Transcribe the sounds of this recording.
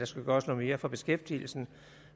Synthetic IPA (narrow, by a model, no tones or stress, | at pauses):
d̥ɑ̈sɡ̥uɡ̥ɶːɐsnoð̩ˠme̝ːɐfɒ̽b̥e̝sɡ̥efd̥ḭːl̩sn̩